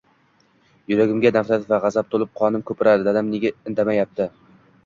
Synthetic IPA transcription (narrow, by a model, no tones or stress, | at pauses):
jʊɾaɡʲɪmɡʲanaflat̪ɪvaʁɑzap̚t̪ʰolˠɪp̚qʰɒnɪmkʰɵpɪɾad̪ɪd̪ad̪amneɡʲaɪnd̪amajap̚t̪ʰɪ